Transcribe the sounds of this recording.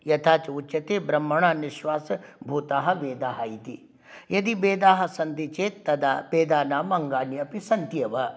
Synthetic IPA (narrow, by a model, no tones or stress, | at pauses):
jɐt̪ʰaːt͡ʃɐut͡ʃːɐt̪eːbɾɐmːɐɳaːnɪʃʋaːsɐbʱuːt̪aːɦɐ̆ʋeːd̪aːɦɐit̪ḭ | jɐd̪ibeːd̪aːɦɐ̆sɐnt̪it͡ʃeːɐd̪apeːd̪aːnaːmɐŋɡaːnijɐpisɐnt̪ijɐʋɐ